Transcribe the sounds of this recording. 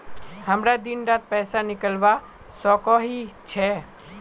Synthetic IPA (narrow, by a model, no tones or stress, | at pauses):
həmɾad̪inɾat̪̚pɛːsanɪkəlʋa | sɔkɔɦit͡ʃʰɛ